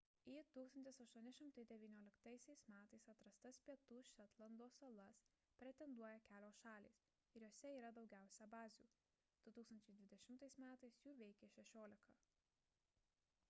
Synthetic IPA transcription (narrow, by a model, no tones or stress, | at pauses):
it̪uːkst̪ɐnʲt̪ʲɪsɐʃt̪uɔnʲɪʃʲɪmt̪ɐɪd̪ʲɛʋʲiːnʲoːlʲɪkt̪ɐɪsʲɛɪsmʲæːt̪ɐɪsɐt̪ɾɐst̪ɐspʲiɛt̪uːʃʲɛt̪lˠɐnd̪oːsɐlˠɐs | pʲɾʲɛt̪ʲɛnd̪uɔjɛkʲæːlʲoːsʃɑːlʲḭːs | ɪɾjoːsʲɛiːɾɐd̪ɒʊɡʲæˑʊsʲɛbɑːzʲuː | d̪̥ʊt̪uːksɐnʲt͡ʃʲɛɪd̪ʲʋʲɪd̪ʲɛʃʲɪmt̪ɐɪsmʲæːt̪ɐɪsjuːʋʲɛɪkʲeːʃʲɛʃʲoːlʲɪkɐː